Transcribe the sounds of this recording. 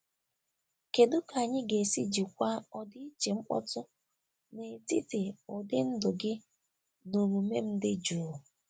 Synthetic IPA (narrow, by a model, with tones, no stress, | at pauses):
ke˨dʊ˦ka˨ɲɪ˦ɡe˨si˦d͡ʒi˨kʷa˦ɔ˦dɪ˦i˦t͡ʃe˨ŋ͡m̩˦k͡pɔ̰˦tʊ˦ | ne˨ti˦te˨ɔ˨dɪ˦n̩˦dʊ˨ɡɪ˦ | nu˨ɾu˨me˦m̩˦dɪ˦d͡ʒu˨˦˨